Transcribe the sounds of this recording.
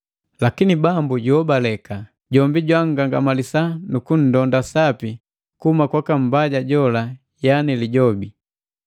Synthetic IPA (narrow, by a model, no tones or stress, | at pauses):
lakinibambuɟɔbalɛka | ɟɔmbiɟwaŋɡaŋɡamalisanukun̩dɔndasapi | kuhumakwakam̩baɟaɟɔla | janiliɟɔbi